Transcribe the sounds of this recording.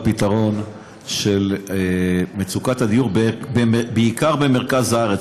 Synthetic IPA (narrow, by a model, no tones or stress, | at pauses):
pitaʁo̞n | ʃel | met͡sukathadijuʁbbbeikaʁbe̞me̞ʁkazhaaʁet͡s